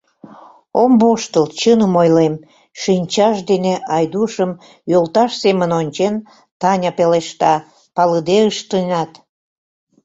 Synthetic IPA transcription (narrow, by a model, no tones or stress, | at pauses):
omboʃt̪əlt͡ɕənəmojlem | ʃinʲt͡ɕɑʃd̪eneɑjd̪uʃəm | jolt̪ɑʃsemənonʲt͡ɕen | t̪ɑnʲɑpeleʃt̪ɑ | pɑləd̪eəʃt̪ənʲɑt̪